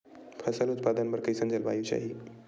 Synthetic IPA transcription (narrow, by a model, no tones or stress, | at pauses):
pʰəsəlut̪̚pad̪ənbəɾkəisənd͡zəlbajut͡ɕa̰ɦi